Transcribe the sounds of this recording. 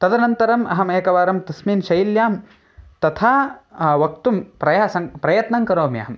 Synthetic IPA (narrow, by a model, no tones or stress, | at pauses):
t̪ɐd̪ɐnɐnt̪ɐɾɐmɐɦɐmeːkɐʋaːɾɐmt̪ɐsmiːnʃɐjiljaːm | t̪ɐt̪ʰaːʋɐkt̪umpɾɐjaːsɐŋpɾɐjɐt̪nɐŋkɐɾoːmijɐ̰ɦɐm